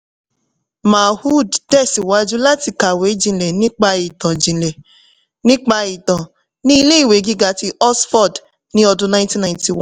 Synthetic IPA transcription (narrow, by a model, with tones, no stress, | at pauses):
ma˨hu˦˨ddɛ˦˨si˨wa˨˦d͡ʒu˦la˦ti˧ka˨we˨˦d͡ʒĩ˧lɛ˨nĩ˦k͡pa˧i˨tã˨d͡ʒĩ˨lɛ˨ | nĩ˦k͡pa˧i˨tã˨ | nĩ˦i˧le˦i˦˨we˨˦ɡi˦ɡa˦˨ti˧˦ʔɔ˦sfɔ˦˨d | nĩ˦ɔ˧dũ˦nã˧˦tĩ˦nã˨˦ti˨w̃